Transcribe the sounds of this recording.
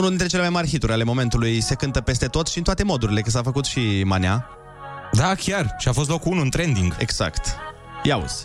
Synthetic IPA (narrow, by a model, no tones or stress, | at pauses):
unuld̪int̪ɾe̞t͡ʃelemajmarʲxit̪uɾʲale̞mo̞me̞nt̪ulujse̞kɨnt̪əpe̞st̪e̞t̪o̞t̪ʃint̪oat̪e̞mo̞d̪uɾile̞kəs̬afəkut̪ʃimanea | d̪akʲarʃiafo̞s̬t̪lokunuɨnt̪ɾe̞nd̪iŋɡḛɡz̥a̰kt̪ | jaṵz̥